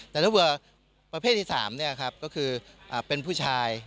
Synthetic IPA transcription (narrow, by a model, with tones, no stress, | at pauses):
t̪ɛː˨˩t̪ʰa˥bɯ˧˩ɐ | pɾa˧pʰeː˥˩t̪ʰːiː˥˩saː˩˦mni˥˩ɐkʰɾa˦˥p̚kɔː˥˩kʰɯː˧ | ʔaː˨˩pe˧npʰuː˥˩t͡ɕʰaː˧j